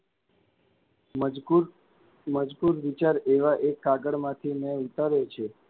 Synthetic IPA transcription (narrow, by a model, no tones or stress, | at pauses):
məd͡ʒpuɾʋit͡ʃaɾeʋaʔekːaɡəɽmãt̪ʰimẽut̪aɾet͡ʃʰe